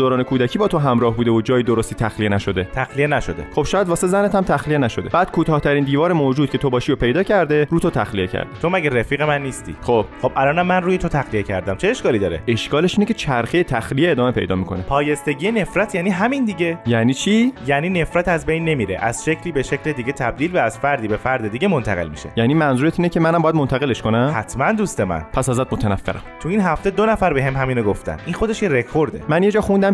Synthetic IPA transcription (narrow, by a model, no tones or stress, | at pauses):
d̪oːɾɒːne̞kʰuːd̪æcʰiːbɒːt̪ʰo̞ɦæmɾɒːhbuːd̪evod͡ʒɒːjid̪oɾost̪iːt̪ʰæxlijenæʃo̞d̪e̞t̪ʰæxlienæʃod̪eχo̞b̥ʃɒːjæd̪vɒːsezænet̪ʰæmt̪ʰæxlijenæʃod̪eb̥æːd̪̥̚kʰuːt̪ʰɒːht̪ʰæɾiːnd̪iːvɒːɾemoːd͡ʒuːd̪̥̚cʰe̞t̪ʰo̞bɒːʃijopʰe̞jd̪ɒːcʰæɾd̪eɾuːt̪ʰot̪ʰæxlije̞cʰæ̰ɾd̪̥et̪ʰo̞mæɡeɾefiːɣemænːiːst̪ḭːxob̥xob̥ʔælɒːnæmːænruːjet̪ʰot̪ʰæxlijecʰæ̰ɾd̪æmt͡ʃʰeːʃkɒːliːd̪ɒːɾee̞ʃkɒːle̞ʃiːnecʰe̞t͡ʃʰæɾxejet̪ʰæxlijeeːd̪ɒːme̞pʰejd̪ɒ̰ːmiːkʰo̞nepʰɒːje̞st̪e̞ɟijene̞fɾæt̪ʰjæːniːɦæmind̪iɟejæniːt͡ʃʰijæːniːne̞fɾæt̪æzbejnːe̞miːɾḛʔæz̥ʃe̞cʰliːbe̞ʃecʰled̪iɟe̞t̪ʰæb̚d̪iːlvæːz̥fæɾd̪iːbe̞fæɾd̪ed̪iɟemont̪ʰæɣe̞lmḭʃḛjæːniːmænzuːɾet̪ʰiːnecʰemænæmbɒːjæd̪mont̪ʰæɣe̞leʃkonæmhæt̪ʰmænd̪uːst̪emæ̰npʰæsæzæt̪̚mot̪ʰænæfːḛɾæ̰mmt̪ʰuinɦæft̪e̞d̪onæfæɾbe̞ɦe̞mɦæmiːnoɡoft̪æ̰nʔinxo̞d̪e̞ʃkeɾekʰoɾd̪e̞̰mænjed͡ʒɒːxund̪æm